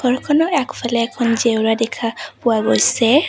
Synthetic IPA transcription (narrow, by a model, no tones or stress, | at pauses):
ɡɔɹkʰɔnɔɛkpʰalɛːkʰɔnzeʊɹadɛkʰapʊwaɡojsɛ